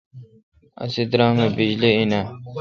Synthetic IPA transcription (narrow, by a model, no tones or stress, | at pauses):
ɐ̰sid̪ɾaːmebid͡ʑliina